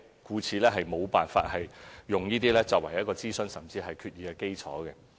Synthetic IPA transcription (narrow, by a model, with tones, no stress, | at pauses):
kuː˨˧t͡sʰiː˨˧lɛː˥ɦɐ˨jmo˨˧wpaː˨nfa̰ː˧t̚hɐ˨jjʊ˨ŋjiː˥t̪iː˥lɛː˥t͡sɔː˨˩wɐ˨˩jɐ˥t̚kɔː˧t͡siː˥sɵ˨˧nsɐ˨mt͡siː˧ɦɐ˨jkʰyː˧t̚jiː˨˧kɛ˧ke˥jt͡sʰɔː˨˥kɛ˧